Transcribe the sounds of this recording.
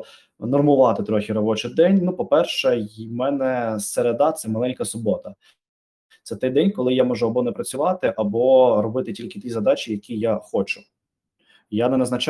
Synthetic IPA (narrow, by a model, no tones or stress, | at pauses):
nɔrmʊʋɑt̪ɪt̪ɾɔxʲiɾɔbɔt͡ʃɪd̪ɛnʲnupɔpɛrʃɛmɛnɛseɾed̪ɑt̪sɛmɐlˠɛnʲkɐsʊbɔt̪ɐ | t̪sɛt̪ɛjd̪ɛnʲkɔlˠɪjamɔʒʊɐbɔnɛpɾɐt͡sʲʊʋɑt̪ɪʔɐbɔɾɔbɪt̪ɪtʲilʲkɪt̪ʲizɐd̪ɑt͡ʃijɐkʲijaxɔt͡ʃʊ̥ | janɛnɐznɐt͡ʃ